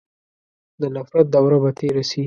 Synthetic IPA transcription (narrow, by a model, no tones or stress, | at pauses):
d̪ənafɾat̪̚d̪awɾabat̪ʰeɾasi